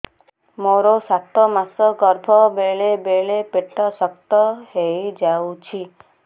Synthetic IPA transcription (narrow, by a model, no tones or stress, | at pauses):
moɾosat̪ɔmasɔɡɔɾbʱɔbeɭebeɭepeʈɔsɔk̚t̪ɔhejd͡ʒawt͡ʃʰi